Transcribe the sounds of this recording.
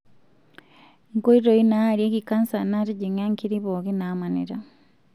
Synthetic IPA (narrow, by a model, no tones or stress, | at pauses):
ŋkoiɾoinaaɾjekikansanatiɟiɲaŋkiɾiβoɣinamanḭɾa